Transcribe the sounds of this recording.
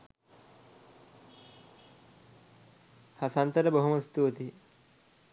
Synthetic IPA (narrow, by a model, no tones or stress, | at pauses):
hasant̪əɾəboɦuməst̪uət̪i